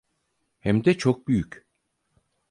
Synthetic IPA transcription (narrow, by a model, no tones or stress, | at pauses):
hɛmd̪ɛt͡ʃʰok̚byjyc